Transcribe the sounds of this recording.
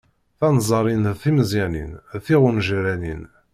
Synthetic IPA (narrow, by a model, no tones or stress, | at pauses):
θɑnzˤɑɾˤinθiməziʕnḭnθiʁʊnʒɾænḭn